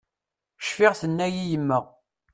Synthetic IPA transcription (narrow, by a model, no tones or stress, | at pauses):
ʃfɪʁθənːæjijəmːəʁ